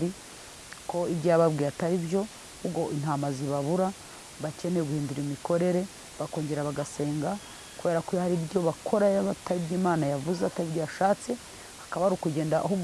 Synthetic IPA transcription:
ɾi | ko̞ibɟaːβabɡiːɾataɾibjo̞ | ubɡo̞ʔinamaziβaβuɾa | βace̞neɡuhiːnduɾimiko̞ɾe̞ɾe̞ | βako̞ːɲɟe̞ɾaβaɡase̞ːŋɡa | kuβe̞ːɾakuhaɾibɟo̞βakʰo̞ɾajaβataɾibɟiːmaːnajavuzeataɾibjojaʃaːt͡se̞ | hakaβaɾukuɟe̞ːndaʔɦuɡ

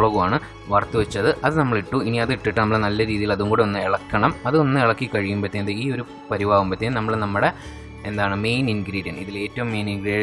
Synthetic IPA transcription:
ɭɐɣumaːɳɨ | ʋɐrt̪ːɨʋɐt͡ɕːɐðɨʔɐðɨnɐmːɐɭiʈːuiniɐðɨiʈːiʈːɨnɐmːɐɭenɐlːɐɾiːðijilɐðuŋɡoːɽeo̞nːɨeɭɐkːɐɳɐmɐðɨo̞nːɨeɭɐkːikɐɻijumbɐt̪ːenɐðɨiːo̞ɾu | pɐɾibʱaːʋumbɐt̪ːeːnɐmːɐɭenɐmːɐɽe | end̪aːɳɨme̞jninɡɾiːɖijɐɳɖiðile̞ːtːɐʋumːe̞ːninɡɾiː

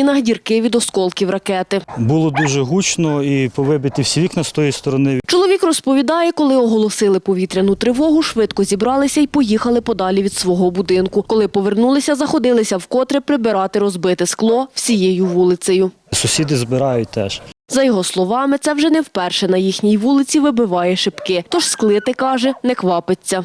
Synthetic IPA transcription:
inɐɦdʲirkɪʋʲid̪ɔskɔlˠkʲiwrɐkɛt̪ɪbulˠɔd̪uʒɛɦut͡ʃnɔipɔʋɪbɪt̪ɪwsʲiʋʲiknɐst̪ɔjist̪ɔɾɔnɪt͡ʃɔlˠɔʋʲikrɔspɔʋʲid̪ɑjɛkɔlˠɪɔɦɔlˠɔsɪlˠɪpɔʋʲit̪ɾʲɐnʊt̪ɾɪʋɔɦʊʃʋɪd̪kɔzʲibɾɑlˠɪsʲɐipɔjixɐlˠɪpɔd̪ɑlʲiʋʲid̪sʋɔɦɔbud̪ɪnkʊkɔlˠɪpɔʋernulˠɪsʲɐzɐxɔd̪ɪlˠɪsʲɐwkɔt̪ɾɪpɾɪbɪɾɑt̪ɪɾɔzbɪt̪ɪsklˠɔwsʲijejʊʋulˠɪsʲɐjʊ | sʊsʲid̪ɪzbɪɾɑjʊt̚ʲt̪ɛʃzɐjɔɦɔslˠɔʋɑmɪt̪sɛwʒɛnɛwpɛrʃɛnɐjixnʲijʋulˠɪt͡sʲiʋɪbɪʋɑjɛʃɪpkɪt̪ɔʃsklˠɪt̪ɪkɑʒɛnɛkʋɑpet͡sʲːɐ

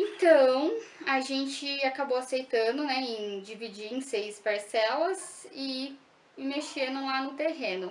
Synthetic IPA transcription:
ẽt̪ɐ̃w̃aʒẽnt͡ʃɪakabowasejt̪ɐ̃d̪ʊnɛẽj̃d͡ʒivid͡ʒiɾẽj̃sejspaɾsɛlɐzɪ | meʃenʊ̃lanʊt̪eɦẽnʊ

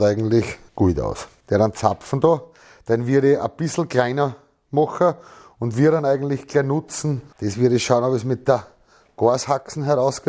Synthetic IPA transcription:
æɪɡŋ̩tlɪçɡ̥uːta̰ʊsd̥̪eɐɾɑnt͡sa̰pp͡fn̩d̥̪o | d̥enʋiɐɾeʔə̰b̥ɪsl̩klaɪnɐ | mɔxɐ | ʊndʋiːɐɾɑ̃næɪɡən̩t̪lɪçɡ̥ɛɐnʊt͡sn̩d̥esʋiɐɾeʃaʊnobəsmɪt̪̚d̥ə | ɡ̥oɐshaksn̩ɦɛʁaʊsɡ̥e

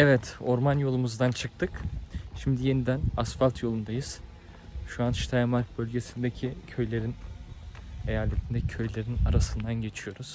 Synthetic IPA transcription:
ɛvɛt̪o̞ɾmanjo̞lˠumuzd̪ant͡ʃʰɯk̚t̪ʰɯkʃimd̪ije̞nid̪ænasfalʲˠt̪ʰjo̞lˠund̪ajɯz̥ | ʃuanʃt̪ʰajamaɾk̚bølʲɟe̞sind̪ecʰicʰø̞jlʲe̞ɾin | e̞jaːlʲet̪ʰind̪ɛcʰø̞jlʲe̞ɾina̰ɾasɯnd̪anɟe̞t͡ʃʰijo̞ɾuz̥

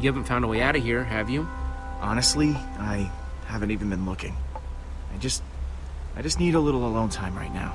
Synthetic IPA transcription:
jɨhævn̩tfãʊ̃ndəweɪaʊɾɨɦiɹɨvjɨ | ʔɑnɨstˡli | aɪ | hævɨ̃n̩tivn̩bɨ̃nlʊkɪ̰̃ŋ | aɪd͡ʒʌst̚ | ʔaɪd͡ʒʌsniɾəlɪɾl̩ˠəlõʊ̃ntʰãɪ̃mɹa̰ɪtⁿna̰ʊ

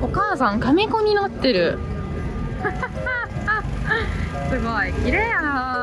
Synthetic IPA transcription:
okaːsãŋkamʲikomʲinat̪ːe̞ɾɯ̟ | sɯmaikʲiɾeja

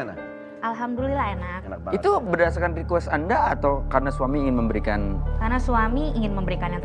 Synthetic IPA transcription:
ʔalɦamdulilahenak̚it̪ubədasakandikuɛsandaːt̪awkarnasuwamiːŋɪnməmbəɾikankarnasuamiːŋɪnməmbəɾikanjaŋt̪

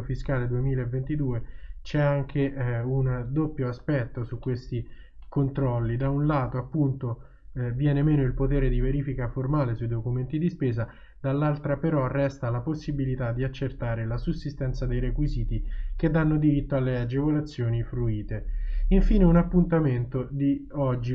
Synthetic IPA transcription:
fiskaːled̪uemiːlaevːent̪id̪uːet͡ʃɛaŋk̟ʰeund̪opːjoaspɛt̪ːosukːwest̪i | kont̪ɾɔlːid̪aunlaːt̪oapːunt̪o | vjɛːnemeːnoilpot̪eːɾed̪iveɾiːfikaformaːlesujd̪okument̪id̪ispeːza | d̪̥alːalt̪ɾapeɾɔrːɛst̪alaposːibilit̪ad̪ːiat͡ʃːert̪aːɾelasusːist̪ɛnt̪sad̪ejɾekwiziːt̪ik̟ed̪ːanːod̪iɾit̪ːoalːead͡ʒevolat̪sːjoːnifɾuiːt̪eiɱfiːneunapːunt̪ament̪od̪iɔd͡ʒːi

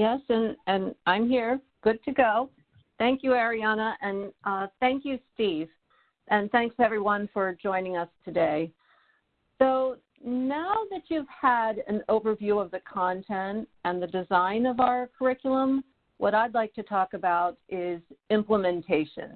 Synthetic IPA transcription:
jɛsɨ̃nɨ̃nãɪ̃mɦiɹ | ɡ̥ʊd̚tʰɨɡoʊ | θæ̃ŋkjɨɛɹiɑnəʔɨ̃nʌθæ̃ŋkjɨstiv̥ | ʔɨ̃nθæ̃ŋkstɛvɹiwʌ̃nfə˞d͡ʒɔ̃ɪ̃nɪ̃ŋʌstʰɨdeɪ | soʊ | naʊðɨt͡ʃʉv̥əɾɨ̃noʊvə˞vjʉʌvðɨkʰɑ̃ntʰɛ̃ntɨ̃nðɨdɨzãɪ̃nʌvaʊə˞kʰə˞ɪkjl̩ˠə̃m | wʔʌɾaɪdˡlaɪk̚tʰɨtʰɔkɨbaʊɾɪzɪ̃mpləmɨ̃ntʰeɪʃɨ̰̃n

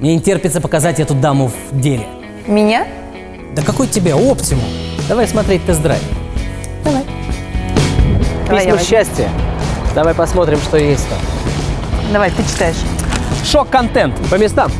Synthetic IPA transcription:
mnʲenʲɪtʲerpʲɪt̪səpəkɐzatʲɛt̪ʊd̪amʊvdʲelʲɪ̰ | mʲɪnʲa | d̪əkɐkujtʲɪbʲaoptʲɪmʊd̪ɐvajsmɐt̪ɾʲet̚ʲt̪ɨzd̪ɾa̰fʲ | d̪ɐvaj | pismməɕːæsʲtʲɪjə̰d̪ɐvajpɐsmo̞t̪ɾʲɪmʂt̪o̞jesʲtʲt̪a̰m | d̪ɐvajt̪ɨt͡ɕɪ̥t̪ajɪʂ | ʂokːɐnt̪ɛnt̪pəmʲɪst̪am

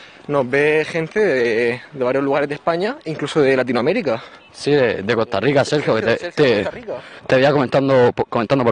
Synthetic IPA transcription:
no̞ɦbe̞xẽ̞nt̪eðeed̪e̞βaɾjo̞zluɣaɾe̞zðehpaɲaiŋklusoðelat̪̬inoameɾika | siðed̪eko̞st̪arikaseɾxjoket̪et̪e | t̪eβiakomẽnt̪and̪opkoment̪and̪po

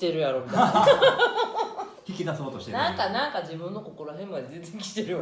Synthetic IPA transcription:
t̪eɾɯ̟jaɾo̞mʲit̪ː | kʲikʲid̪aso̞ːt̪oɕi̥t̪nãŋkanãŋkad͡ʑibɯ̟̃nːo̞ko̞ko̞ɾoɦẽ̞mɡad̪ezẽ̞nzẽ̞ŋkʲi̥t̪eɾɯjo

